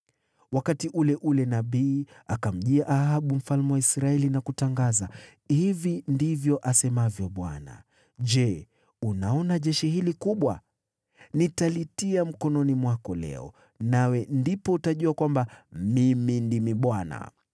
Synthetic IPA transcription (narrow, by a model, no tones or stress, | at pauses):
wakatiʔulɛʔulɛnaɓiːakam̩ʄiaʔahaɓum̩falmɛwaisɾaɛlinakutaŋɡaza | hivindivjɔʔasɛmavjɔɓwa̰na̰ | ʄɛ | unaɔnaʄɛʃihilikuɓwa | nitalitiam̩kɔnɔnimwakɔlɛ̰ɔ̰ | nawɛndipɔutaʄuakwambamimindimiɓwana̰